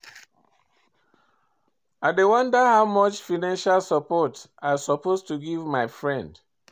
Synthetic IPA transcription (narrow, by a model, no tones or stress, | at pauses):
aɪdewɔ̃ndəhaʊmʌt͡ʃfinãnʃalsɔpɔt | asɔpostuɡivmaɪfɹɛ̃nd